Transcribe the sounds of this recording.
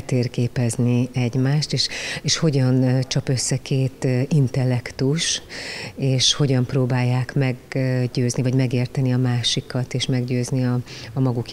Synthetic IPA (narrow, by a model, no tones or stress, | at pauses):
t̪eːrkeːpɛzniɛɟmaːʃt̪eːʃeːʃho̞ɟɒnt͡ʃɒpø̞sːɛkʰeːt̪int̪ɛlːɛkt̪uʃ | eːʃho̞ɟɒmproːbaːjːaːkmɛɡɟøːznivɒɟmɛɡeːrt̪ɛniɒmaːʃikɒt̪eːʃmɛɡɟøːzniɒɒmɒɡuk